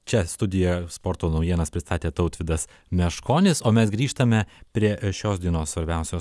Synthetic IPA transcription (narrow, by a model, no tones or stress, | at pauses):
t͡ʃʲɛst̪ʊd̪ʲɪjɛspoːɾt̪oːnɐʊjiɛnɐspʲɾʲɪst̪ɑːt̪ʲeːt̪ɐʊt̪ʲʋʲɪd̪ɐs | mʲɛʃkoːnʲɪsoːmʲɛsɡɾʲiːʃt̪ɐmʲɛpʲɾʲiɛʃʲoːsd̪ʲiɛnoːssʋɐɾʲbʲɛˑʊsʲoːs